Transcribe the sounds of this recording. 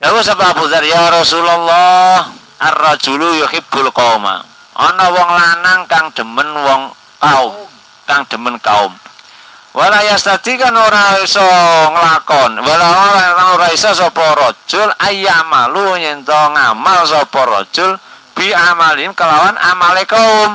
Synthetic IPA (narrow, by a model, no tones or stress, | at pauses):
jakusababut̪arjaɾɔsulalːɔh | ʔarːɔd̥ʒ̥ulujɔkib̥ʊlkɔuma̰ | ʔɔ̰nɔwɔŋlanaŋkaŋd̪̥ə̤mənwɔŋ | kaʊm | kaŋd̪̥ə̤mənkaʊ̰m | wʔalajast̪ad̪̥ikanoɾaisɔŋəlakɔnwalawaat̪anoɾaisɔsɔpɔɾɔ̥d͡ʒʒ̥ʊlʔajamaluɲɛnt̪ɔŋamalsɔpɔɾɔ̰d̥ʒ̥ʊlb̥i̤amalimkəlawanamalekaʊm